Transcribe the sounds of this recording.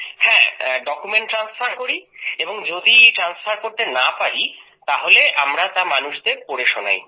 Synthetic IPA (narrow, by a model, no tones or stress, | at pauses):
hɛ̃ɖɔkumeɳʈːɾansfʰaɾkoɾieboŋd͡ʑod̪iʈɾansfaɾkoɾt̪enapaɾi | t̪aɦoleʔamɾat̪amanuʃd̪eɾpoɾeʃona̰j